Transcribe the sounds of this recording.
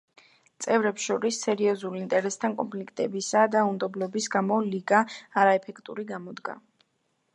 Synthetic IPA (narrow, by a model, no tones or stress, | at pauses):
t̪sʼɛvɾɛpsʃɔɾisːɛɾiɔzulint̪ʼɛɾɛst̪ʰankʼɔnmpʰlikʰt̪ʼɛbisad̪aumd̪ɔblɔbisɡamɔliɡaːɾaɛpʰɛkʰt̪ʼuɾiɡamɔd̪ɡa̰